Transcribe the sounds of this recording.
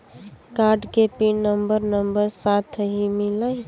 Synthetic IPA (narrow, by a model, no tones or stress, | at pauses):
kaɾɖkepinəmbəɾnəmbəɾsat̪ʰɦimilaɪ